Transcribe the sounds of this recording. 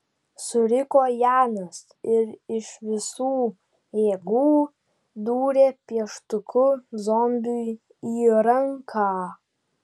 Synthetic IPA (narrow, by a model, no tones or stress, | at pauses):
sʊɾɪkoːjaːnɐs | ɪɾɪʃʋɪsuː | eːɡuː | d̪uːɾʲepjɛʃt̪ʊkʰʊzɔmbʲuj | iːɾɐŋkʰaː